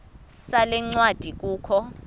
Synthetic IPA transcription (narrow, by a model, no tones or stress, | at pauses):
salɛŋ͡ǀwad̥ʱik̬ʼuːkʰɔ